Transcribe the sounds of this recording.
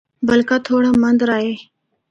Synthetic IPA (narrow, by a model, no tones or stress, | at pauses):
bəlkat̪ʰoːɽamənd̪ɾaːeː